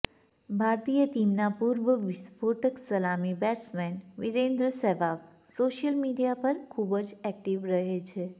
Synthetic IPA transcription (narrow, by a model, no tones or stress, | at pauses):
bʱaɾt̪ijəʈimnapuɾʋəʋisboʈəksəlamibɛʈsmɛnʋiɾẽnd̪ɾəsɛʋak | soʃəlmiɖijapəɾkʰubəd͡ʒɛk̚ʈiʋɾəɦet͡ʃʰe